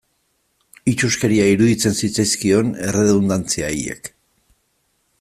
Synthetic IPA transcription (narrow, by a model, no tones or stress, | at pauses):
it͡ʃuske̞ɾiaiɾuðit͡se̞nsit͡sajskio̞ne̞re̞ðund̪ant͡siajḛk